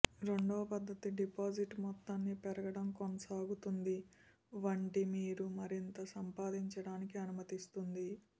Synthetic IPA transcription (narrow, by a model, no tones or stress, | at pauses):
ɾe̞ɳɖoːpɐd̪ʱːɐt̪iɖipaːd͡ʒiʈmɔt̪ːanːipɛɾɐɡɐɽɐmkonɐsaːɡut̪und̪i | ʋɐɳʈimiːɾumɐɾint̪ɐsɐmpaːd̪iɲt͡ʃɐɽaːnikiɐnumɐt̪ist̪und̪i